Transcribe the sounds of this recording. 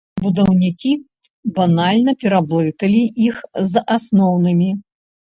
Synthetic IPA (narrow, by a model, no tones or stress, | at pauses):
bud̪ɐwnʲikʲi | banalʲnɐpʲɛɾablˠɨt̪ɐlʲiʔixzʔasnɔwnɨmʲi